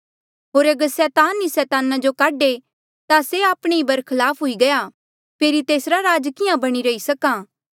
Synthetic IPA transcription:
ɦoːɾɐɡəɾsɛːt̪aːnːisɛːt̪aːnad͡ʒokaːɖe | t̪aseaːpɽ̃eibɐɾkʰɐlaːpʰɦʊiɡɐja | pʰeːɾit̪eːsɾaɾaːd͡ʒkɪjãbɐɽ̃iɾɐisɐkaː

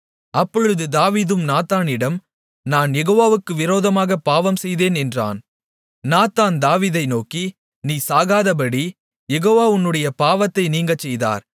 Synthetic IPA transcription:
ɐpːɔɻɯðɯd̪aːʋiːðɯmnaːt̪aːnɪɽɐm | naːnjɛɣoːʋaːʋɯkːɯʋɪɾoːðɐmaːɣɐpaːʋɐmsɛjðeːnɛndra̰ːn | naːt̪aːnd̪aːʋiːðɐɪnoːki | niːsaːɣaːðɐp̬ɐɽi | jɛɣoːʋaːʊnːɯɽɐjɐpaːʋɐt̪ːɐɪniːŋɡɐt͡ʃːɛjða̰ːɾ

